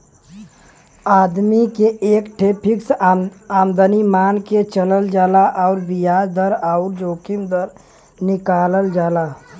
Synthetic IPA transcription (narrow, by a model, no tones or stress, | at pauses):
aːd̪mikeʔeːkʈʰepʰɪksaːmd̪ənimaːnket͡ʃələld͡ʒaːlaʔɔːɾbijaːd͡ʒd̪əɾaʊɾd͡ʒoːkimd̪əɾ | nɪkaːləld͡ʒaːla